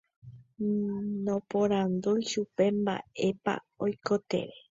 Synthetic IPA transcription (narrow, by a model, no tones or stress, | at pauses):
nõpõɾand̪ujʃupe̞mba̰e̞pa̰ | ojko̞t̪e̞̰ʋe